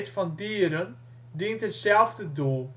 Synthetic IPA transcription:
tfɔndiːəɾən | dintɦətsɛlˠvdədulˠ

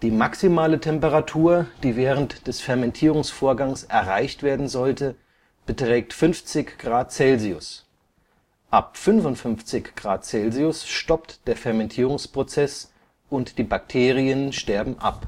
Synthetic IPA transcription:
d̥iːmaksimaːlətʰɛmpəʁatʰuːɐd̥iːvɛːʁəntd̥ɛsfɛɐmɛntʰiːʁʊŋsfoːɐɡaŋsʔɛɐʁaɪçtv̥eːɐdn̩zɔltə | b̥ətʁ̥ɛːk̚tfʏnft͡sɪçɡ̥ʁaːt̚t͡sɛlziʊs | ʔap̚fʏnvʊntfʏnft͡sɪçɡ̥ʁaːt̚t͡sɛlziʊsʃtɔptd̥eːɐfɛɐmɛntʰiːʁʊŋspʁ̥ot͡sɛs | ʔʊntd̥iːbak̚tʰeːʁiənʃtɛɐbm̩ʔa̰p

